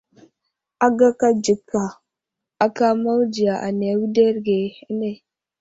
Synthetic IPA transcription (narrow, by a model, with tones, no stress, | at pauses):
a˨ɡa˦ka˦d͡ʒi˨kʰːa˨ | a˨ka˦ma˦wd͡ʒi˨ja˨ʔa̰˨ne˨wu˦de˦ɾɡe˨e˦ne˨